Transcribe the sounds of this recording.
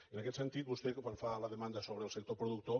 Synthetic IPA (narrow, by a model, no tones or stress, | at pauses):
ənakɛt̪sənt̪it̪̚bust̪ɛwaɱfaləðəmand̪əsoβɾəlˠsək̚t̪opɾuðuk̚t̪o